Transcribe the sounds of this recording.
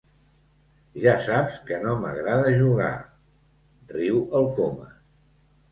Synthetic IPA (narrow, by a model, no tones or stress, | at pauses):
ʒasapskənomə̰ɣɾaðəʒuɣa̰ | riwəlˠkomə̰